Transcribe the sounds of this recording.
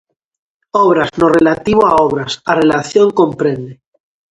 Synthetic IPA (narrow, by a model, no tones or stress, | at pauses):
oβ̞ɾaznorelat̪iβoaoβ̞ɾasarelaθjoŋkõmpɾẽnd̪e